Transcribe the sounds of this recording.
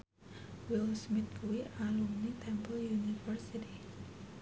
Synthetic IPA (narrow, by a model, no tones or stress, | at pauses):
wilsmit̪̚kuwiʔalumnit̪ʰɛmpəljunifərsit̪i